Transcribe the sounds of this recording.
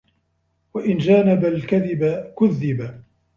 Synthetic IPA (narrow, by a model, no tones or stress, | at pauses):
waʔɪnd͡ʒaːnabalkaðɪbakʊðːɪba